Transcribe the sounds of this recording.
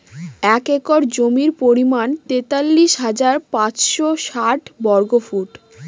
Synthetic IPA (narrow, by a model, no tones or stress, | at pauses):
ɛkekɔɾd͡ʑomiɾpoɾimant̪et̪alːiʃɦad͡ʑaɾpãt͡ɕʃoʃaʈbɔɾɡofuʈ